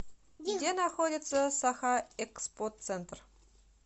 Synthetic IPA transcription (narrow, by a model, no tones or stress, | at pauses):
dʲenɑxodʲɪt̪səsɑxɑɛkspot̪t͡sent̪r